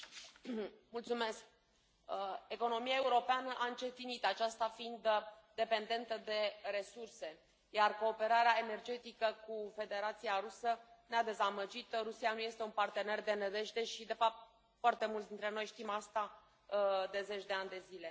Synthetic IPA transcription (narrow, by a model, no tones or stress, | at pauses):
mult̪sume̞sk | e̞ko̞no̞miae̞uɾo̞peanəʔaɨnt͡ʃe̞t̪init̪at͡ʃast̪afind̪d̪e̞pe̞nd̪e̞nt̪əd̪e̞ɾe̞surse̞ | jarko̞ːpe̞ɾaɾeae̞ne̞rd͡ʒe̞t̪ikəkufe̞d̪e̞ɾat̪sijaɾusənead̪e̞zaməd͡ʒit̪ɾusianuje̞st̪e̞unpart̪e̞ne̞rd̪e̞ned̪e̞ʃd̪e̞ʃid̪e̞fap̚t̪̚ | foart̪e̞mult̪sd̪int̪ɾe̞no̞jʃt̪imast̪a | d̪e̞ze̞t͡ʃd̪e̞anʲd̪e̞zile̞